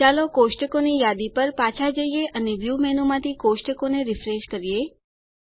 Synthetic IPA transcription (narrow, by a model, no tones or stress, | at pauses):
alokosʈəkonijad̪ipəɾpat͡ʃʰad͡ʒəijeʔəneʋjumɛnumãt̪ʰikosʈəkoneɾɪfɾeʃkəɾije